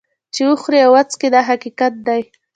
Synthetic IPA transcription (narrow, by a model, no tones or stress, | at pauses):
t͡ʃeʊxɾeawat͡sked̪aɦaqikat̪̚d̪aj